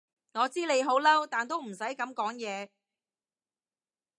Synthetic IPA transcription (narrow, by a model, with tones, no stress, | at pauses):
ŋɔː˨˧t͡siː˥le˨˧jɦo˨˥wlɐ˥wt̪aː˨nt̪o˥wm̩˨˩sɐ˨˥jkɐ˨˥mkɔː˨˥ŋjɛː˨˧